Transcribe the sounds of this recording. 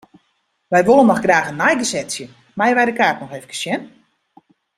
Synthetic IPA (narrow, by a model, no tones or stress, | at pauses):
ʋɛjʋolˠənːɔxɡraːxənːajɡəsɛtsjə | majʋɛjdəkaːtnɔxeːfəkə̥sjɛn